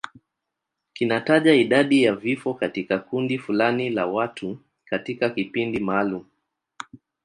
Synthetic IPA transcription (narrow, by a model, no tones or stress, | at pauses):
kinataʄaiɗaɗijavifɔkatikakundifulanilawatʰu | katikakipindimaːlumu